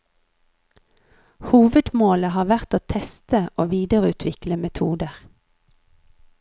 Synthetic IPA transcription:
huːʋəd̪moːləhɑːʋæʁt̪oːt̪ʰɛst̪əʔoːʋiːd̪əʁʉːt̪ʰʋɪkləmɛt̪ʰuːd̪əʁ

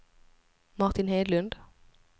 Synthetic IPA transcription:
mɑʁt̪ɪnheɪd̪lʉnd̪

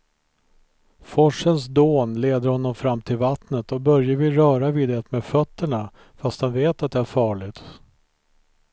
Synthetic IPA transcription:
fɔʂəns̬d̪oːnleːd̪əɾhɔnːɔmfɾamːt̪ʰɪlvat̪nət̪ɔbœɾjəvɪɾœːɾaviːd̪ɛt̪meːd̪fœt̪ːəɳa | fast̪hanveːt̪at̪̚d̪ɛæɾfɑːɭɪt̪

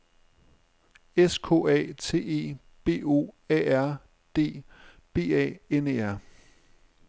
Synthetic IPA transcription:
eskʰo̝̰ːɛ̰ːt͡sʰe̝̰ːe̝̰ː | b̥e̝̰ːo̝̰ːɛ̰ːæɐ̰ | d̥e̝̰ːb̥e̝̰ːɛ̰ːene̝ːæɐ̰

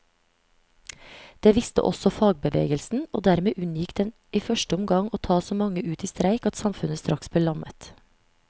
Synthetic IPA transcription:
d̪̥eːʋɪst̪ə̰ʔɔ̰sɔfɑːɡ̚bəʋḛːɡəlsn̩oːd̪æɾmeːʔʉnjɪkd̪̥ɛn | iːfœʃʈəʊmɡɑŋoːt̪ʰɑːsoːmɑŋəʔʉːt̪iːst̪ɾæɪkɑt̪sɑmfʉnəst̪ɾɑksb̥̪eːlɑmət̪

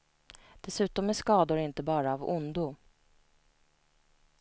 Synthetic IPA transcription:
d̪̥ɛsʉ̟ːt̪ɔmːɛʂkɑːd̪ʊɾɪnt̪əbɑːɾaːvʊnd̪ʊ

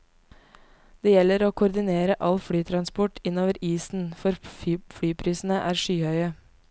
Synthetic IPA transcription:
d̪̥eːjɛləɾoːkʰʊɾd̪ɪneːɾəʔɑlfɽyːt̪ʰɾɑnspɔʈʰɪnoːʋəɾiːsn̩fɔɾfɽyːpʰɾiːsn̩əʔæːɾʃyːhœʏə

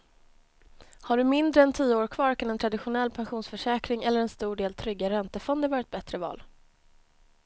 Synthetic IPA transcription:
haɖɵmɪnd̪ɾəɛnt̪ʰiːəoːɾkʰvɑːɾkʰanɛnt̪ʰɾad̪ɪɧʊnɛlːpʰanɧuːnsfœʂɛːkɾɪŋɛlːəɾɛnst̪uːɖeːlt̪ʰɾʏɡːaɾɛnt̪əfɔnd̪əvɑːɾɪt̪̚bɛt̪ɾəvɑ̰ːl

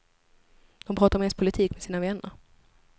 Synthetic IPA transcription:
d̪̥ɔmpʰɾɑːt̪aɾɔmhɛnspʰʊlɪt̪ʰiːkmɛsiːnavɛnːə̰ɾ

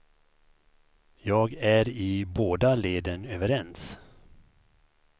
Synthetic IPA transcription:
jɑːɡæɾɪboːd̪aleːd̪ənøːvəɾɛns

